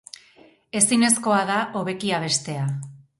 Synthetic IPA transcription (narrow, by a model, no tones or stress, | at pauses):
e̞sine̞sko̞aðaʔo̞β̞e̞kiaβ̞e̞st̪e̞a